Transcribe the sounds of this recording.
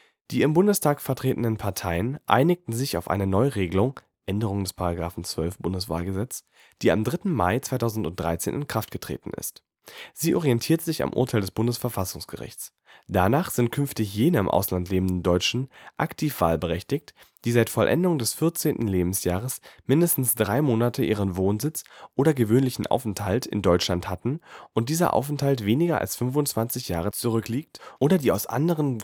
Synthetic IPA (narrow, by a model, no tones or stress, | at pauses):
d̥iːɪmbʊndəstʰaːkfɛɐtʁ̥eːtən̩ənpʰaɐtʰaɪənʔa̰ɪnɪk̚tn̩zɪçaʊfʔa̰ɪnənɔʏʁeːɡəlʊŋ | ʔɛndəʁ̞ʊŋdɛspʰaʁaɡʁaːfn̩t͡sv̥œlfb̥ʊndəsv̥a̰ːlɡəzɛt͡s | d̥iːa̰mdʁɪtn̩ma̰ɪt͡svaɪtʰaʊzn̩tʊnt̚d̥ʁa̰ɪt͡sḛːnɪnkʁ̥aftɡ̥ətʁ̥ḛːtn̩ɪ̰st | z̥iːʔɔʁiɛntʰiːɐtz̥ɪça̰mʔʊ̰ɐtʰaɪldɛsb̥ʊndəsfɛɐfasʊŋsɡ̥əʁɪ̰çt͡s | d̥anaːχz̥ɪntkʰʏnftɪçjeːnəɪmʔa̰ʊslantleːbm̩dn̩dɔʏt͡ʃn̩ʔaktʰiːfv̥a̰ːlbəʁɛçtɪçt | d̥iːzaɪtfɔlʔɛ̰ndʊŋdɛsfɪɐt͡seːntn̩leːbm̩sjaːʁ̞əsmɪndəstn̩sd̥ʁaɪmoːnatʰəʔiːʁənvoːnzɪt͡sʔoːɾɐɡəvøːnlɪçn̩ʔa̰ʊfɛnthaltʰɪ̰ndɔʏt͡ʃlanthatn̩ʔʊnt̚d̥iːzɐ̰ʔa̰ʊfɛnthaltv̥eːnɪɡɐa̰lsfʏnfʊnt͡sv̥ant͡sɪçjaːʁ̞ət͡suʁ̞ʏkliːk̚tʔoːdɐdiːaʊsʔa̰ndəʁən